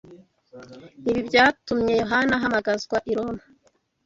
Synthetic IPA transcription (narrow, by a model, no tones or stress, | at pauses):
niβibɟaːtumɲe̞jo̞ɦanaɦamaɡazɡwaʔiɾo̞na